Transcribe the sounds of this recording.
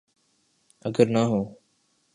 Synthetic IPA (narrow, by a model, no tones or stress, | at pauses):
əɡəɾnaːɦõː